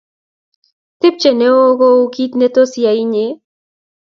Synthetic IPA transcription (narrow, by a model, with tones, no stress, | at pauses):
t̪ɪ˦p̚t͡ʃe˨ne˦o˦ɣo˦u˦kit̪ne˦t̪o˦sja˨i˦ɲe